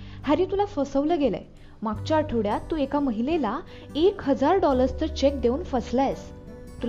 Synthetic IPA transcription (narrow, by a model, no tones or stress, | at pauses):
haɾĩːt̪ulafəsəʋləɡela̰ | makt͡ɕaʈʰəʋɽjat̪ːuːekaməɦilela | ekɦəd͡zaɾɖɔləɾst͡səɾt͡ɕek̚d̪euːnfəslajs | t̪ul